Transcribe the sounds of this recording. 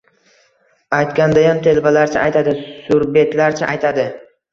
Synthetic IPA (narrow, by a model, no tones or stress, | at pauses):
ajt̪kʲand̪ajɒnt̪ʰe̞lbalaɾt͡ʃʰaʔajt̪ʰad̪ɪsʊɾbe̞t̪laɾt͡ʃʰaʔajt̪ʰad̪ɪ